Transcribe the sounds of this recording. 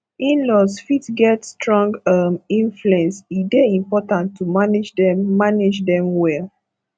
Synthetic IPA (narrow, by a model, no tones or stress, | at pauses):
ĩnlɔsfitɡɛtstɹɔ̃ŋɡamĩnfluɛ̃nsidɛĩmpɔtãntʰːumanid͡ʒdɛmːaned͡ʒdɛ̃mwɛl